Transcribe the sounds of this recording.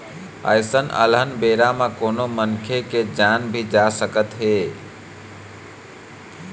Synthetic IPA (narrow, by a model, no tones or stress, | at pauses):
ə̰jsənə̰lənbeɾamekonomənkʰeked͡ʒanbʱid͡ʒasəkət̪ɦe